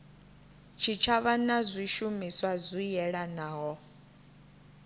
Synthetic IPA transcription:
t͡ʃʰit͡ʃʰaβanazʷiʃumiswazʷijɛɺanaːɦɔ

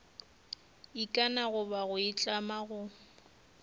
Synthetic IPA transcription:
ikʼanaɣʊbaɣʊɪt͡ɬʼamaɣʊ

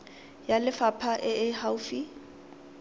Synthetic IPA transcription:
jalɪfapʰaʔɪɪhaʊfi

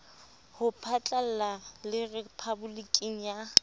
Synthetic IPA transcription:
hʊpʰat͡ɬʼal̩lalɪrepʰabʊlikʼiŋ̩ja

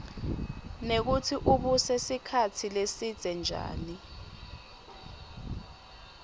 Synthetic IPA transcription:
nek̬utʰiʔuɓusesikʰatʰilesid̥z̥ʱɛnd͡ʒʱa̰ːni

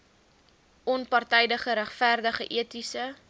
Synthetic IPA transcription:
ʔɔnpɑrtɛjdəχəɾæχfærdəχəʔiətisə

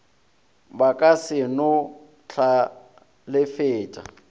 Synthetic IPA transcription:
bakʼasɪnʊ | t͡ɬʰa | lɪfɪːtʼa̰

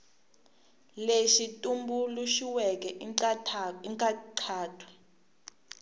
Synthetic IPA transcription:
leʃitʼumbuluʃiwɛk̬ʼɛ | iŋʼaǃʰaːtʰwḁ

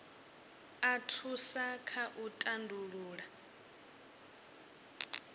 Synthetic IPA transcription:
atʰusakʰaʔutʼandʱuɺuːɺa

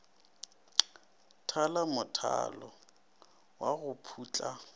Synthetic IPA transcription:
tʰalamʊtʰa̰lɔ | waɣʊpʰuːt͡ɬʼa

